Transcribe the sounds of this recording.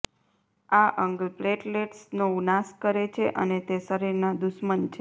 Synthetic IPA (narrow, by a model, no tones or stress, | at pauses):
aʔəŋɡpleʈleʈsnounaskəɾet͡ʃʰeʔənet̪esəɾiɾnad̪ʊʃmənt͡ʃʰe